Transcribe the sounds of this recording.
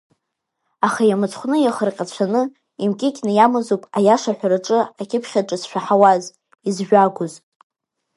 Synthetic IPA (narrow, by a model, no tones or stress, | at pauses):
aχajamɨt͡sʰʼχʷnɨjaχərqʲʼat͡ɕʷʰanɨ | imkʲʼɪkʲnɨjamɨzupʼajaʂaħʷᶣaraʈ͡ʂʼɨakʲʼɪpʰχʲaʈ͡ʂʼɨsʃᶣaħawaz | izʒᶣʷaɡʷʊz